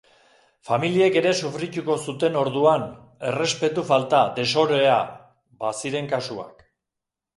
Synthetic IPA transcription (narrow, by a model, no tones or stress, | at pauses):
familie̞ke̞ɾe̞sufɾit̪uko̞sut̪e̞no̞ɾðuan | e̞re̞spe̞t̪ufalt̪ad̪e̞so̞ɾoe̞a | basiɾe̞ŋkasua̰k